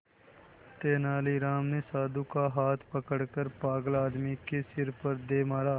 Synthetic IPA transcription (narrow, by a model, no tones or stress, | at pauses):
t̪eːnaːliːɾaːmneːsaːd̪ukaɦaːt̪ʰpəkəɽkəɾpaːɡəlaːd̪mikesɪɾpəɾd̪eːmaːɾaː